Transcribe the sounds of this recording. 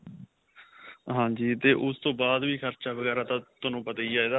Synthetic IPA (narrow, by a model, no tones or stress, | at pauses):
ɦãːd͡ʒiːt̪eːʔʊst̪õːbaːd̪ʋiːkʰəɾt͡ʃaːʋəɡɛːɾaːt̪ãːt̪ʊnũːpət̪aːiːaːiːd̪aː